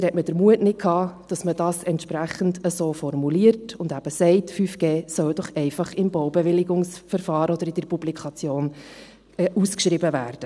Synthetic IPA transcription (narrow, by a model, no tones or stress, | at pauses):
hɛtməd̥əɾmuətnɪt̚kʰɑːd̥ɑsməd̥ɑːsɛntʃpɾæχən̩dəsoːfɔɾmuliːəɾtʊndæb̥əsɛɪtfyːfɡ̥eːsœwd̥ɔχɛɪfɑχɪmbɔwbɛʋɪlɪɡʊŋsfəɾfɑːɾɔd̥̪əɾɪd̥əɾpublikʰɑt͡sjoːn | ʔuskʃɾɪbəvæːɾd̥ə